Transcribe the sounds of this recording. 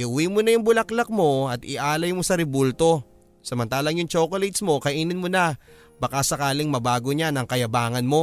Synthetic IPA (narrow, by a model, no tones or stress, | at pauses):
ʔɪʔʊwimonɐjʊŋbʊlɐklɐk̚mo̞ɐt̪ɪ̰ʔaːlɐjmosɐɾɪbult̪o̞ | sɐmɐnt̪aːlɐŋjʊŋt͡ʃoːkolɛjt̪smo̞kɐʔiːnɪnmo̞nɐ | bɐkasɐkaːlɪŋmɐbaːɡo̞ɲanɐŋkɐjɐbaːŋɐnmo̞